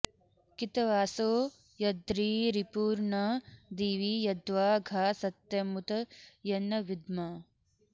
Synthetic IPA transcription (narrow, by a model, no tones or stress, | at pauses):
kit̪ɐʋaːsoː | jɐd̪ɾiːɾipuːɾɳɐd̪iːʋijɐd̪ʋaːɡʱaːsɐt̪jɐmut̪ɐjɐnːɐʋid̪ma